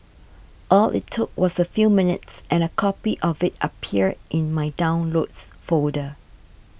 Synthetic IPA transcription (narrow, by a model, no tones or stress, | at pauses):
ʔɔlʔɪ̰tʰːʊk̚wɔsəfjumɪnɪ̰tsʔɛ̃nəkʰɔpiʔɔvɪt̚ʔəpʰiədʔɪ̃nmajdãʊ̃nlotsfodə